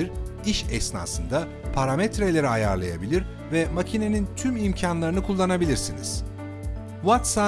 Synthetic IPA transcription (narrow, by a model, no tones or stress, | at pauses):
iɾiʃɛsna̰ːsɯnd̪a | pʰaɾamɛt̪ɾelʲe̞ɾiajaɾlˠaja̰bilʲiɾ | vɛmacʰine̞nint̪ʰymimcʰanlˠaɾɯnɯkʰulˠːanabilʲiɾsinḭz̥ | vat̪sa